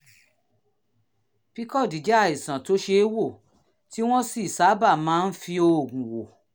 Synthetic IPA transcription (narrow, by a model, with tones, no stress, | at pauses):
pi˦kɔ˦˨di˨d͡ʒa˦a˨i˨sã˨to˦ʃe˧˦wo˦˨ | ti˦w̃ɔ̃˦si˦˨sa˨˦ba˦˨mãː˦˧n̩˦fi˧o˧˨ɡũ˨wo˨